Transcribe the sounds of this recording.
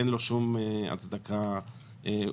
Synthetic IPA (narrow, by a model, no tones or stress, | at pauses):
enlo̞ʃumea̰t͡sd̪akʰa | e